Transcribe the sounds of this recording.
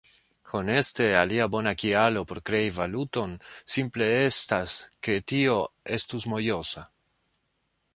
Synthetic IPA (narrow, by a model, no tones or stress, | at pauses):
ho̞ne̞ste̞aliabo̞nakialo̞po̞ɾkɾe̞ivaluto̞nsimple̞e̞staske̞tio̞e̞stusmo̞jo̞sa